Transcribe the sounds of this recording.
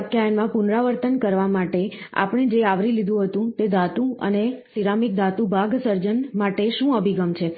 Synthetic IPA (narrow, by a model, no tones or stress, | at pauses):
kjajənmãpʊnɾaʋəɾt̪ənkəɾʋamaʈe | a̰pəɳ̃ed͡ʒeaʋɾilid̪ʱũɦət̪ũt̪ed̪at̪ũə̰nesiɾamik̚d̪at̪ũbʱaɡsəɾd͡ʒənmaʈeʃũəbʱiɡəmt͡ʃʰe